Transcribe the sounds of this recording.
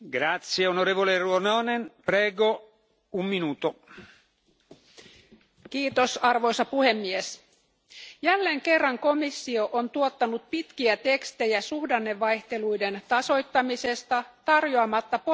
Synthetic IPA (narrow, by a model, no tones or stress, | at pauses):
ɡɾat̪sjeonoɾeːvoleruonoːnenpɾɛːɡo | umːinuːt̪o | kiːt̪o̞sɑrʋo̞jsɑpuhe̞mːies | jælːeːŋke̞rːɑŋko̞misːio̞ʔont̪uot̪ːɑnut̪̚pit̪kiæt̪e̞kst̪e̞jæsuhdɑnːeʋːɑjçt̪e̞lujde̞nt̪ɑso̞jt̪ːɑmise̞st̪ɑt̪ɑrjoɑmɑt̪ːɑpo